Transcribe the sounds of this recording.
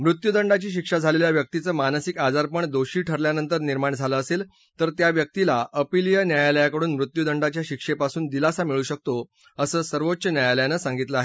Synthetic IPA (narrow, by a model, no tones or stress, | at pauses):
mɾut̪jud̪əɳɖat͡ɕiːɕ̬ikʂad͡zʱaleljaʋjək̚t̪it͡səːmanəsikad͡zaɾpəɳd̪oɕiːʈʰəɾljanənt̪əɾniɾmaɳd͡zʱaləːsel | t̪əɾt̪jaʋjək̚t̪ilaəpilijənjajaləjakəɽuːnmɾut̪jud̪əɳɖat͡ɕjaɕikʂepasuːnd̪ilasamiɭuːɕək̚t̪o | əsəːsəɾʋot̪ːɕənjajaləjanəsãŋɡit̪ləaɦe